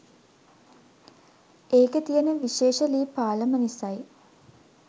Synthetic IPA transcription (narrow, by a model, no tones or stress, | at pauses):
eːkɐt̪ijɐnɐʋiʃeːʂɐliːpaːlɐmɐnisaj